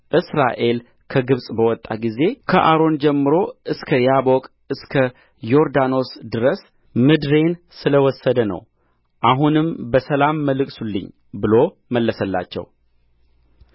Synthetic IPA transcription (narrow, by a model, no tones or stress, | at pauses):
ʔɨsɾa̰ʔe̞l | kʰəɡɨβsʼbəwɔt̪ʼːa̰ɡize̞kʰəʔaɾo̞nd͡ʒɛmːɨɾo̞ʔɨskʰəjabo̞kʼ | ɨskʰə | jo̞ɾd̪ano̞sd̪ɨɾəs | mɨd̪ɾe̞n | sɨləwɔsːəd̪ənə̰w | ʔaɦunɨmbəsəlamːəlɨkʼsulːɨ̰ɲː | bɨlo̞ | məlːəsəlːa̰t͡ʃːɛ̰w